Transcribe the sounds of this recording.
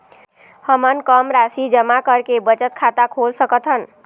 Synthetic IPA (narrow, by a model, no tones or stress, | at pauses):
həmənkəmɾasid͡ʒəmakəɾkebət͡ʃət̪kʰat̪akʰolsəkət̪ɦən